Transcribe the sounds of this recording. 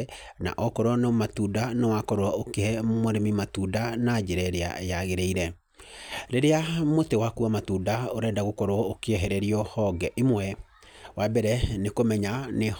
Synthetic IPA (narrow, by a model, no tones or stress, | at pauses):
na̰ʔɔkɔɾɔnɔmatudanɔwakɔɾoaokehɛmoɾemimatudanad͡ʒeɾɛɾea̰jaɣeɾeiɾɛ | ɾeɾeamotewakuamatudaoɾɛːndaɣokɔɾoɔokeɛɦɛɾɛɾiɔhɔɡɛʔimwɛ | wabɛɾɛnekomɛɲane